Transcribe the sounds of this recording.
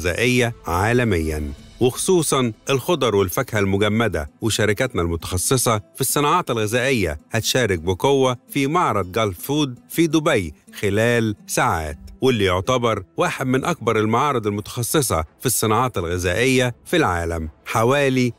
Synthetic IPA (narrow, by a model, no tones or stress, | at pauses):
zæːʔɪjːæʕaːlæmɪjːæ̰nwɪxo̥sˤuːsˤɑnʔɪlxod̪ˤɑɾˤwɪlfækhælmʊɡæmːæd̪æ̰wɪʃæɾɪkæt̪nælmʊt̪ɑ̥xɑsˤːesˤɑfisˤːɨnɑːʕɑːt̪ɪlɣɪzæːʔɪjːæ̰hæt̪ʃæːɾɪk̚bɪkowːæfimɑʕɾˤɑd̪̚ɡɑlffuːd̪fid̪ʊbæjxɪlæːlsaːʕa̰ːt̪wɪlːijoʕt̪æbɑɾˤwaːħed̪mɪnʔæk̚bɑɾˤɪlmaʕɑːɾˤɨd̪ˤɪlmʊt̪ɑ̥xɑsˤːesˤɑ̰fisˤːɨnɑːʕɑːt̪ɪlɣɪzæːʔɪjːæfilʕaːlæmħawæːli